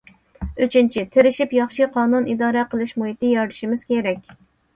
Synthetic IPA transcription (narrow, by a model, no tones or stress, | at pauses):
yt͡ʃʰynt͡ʃʰit̪ʰɪɾɪʃipjɑχʃiqʰɑːnunid̪ɑːɾɛqəlˠɨʃmuhit̪ɪjɑɾd̪ʃimɪz̥kʲʰeɾɛkʲ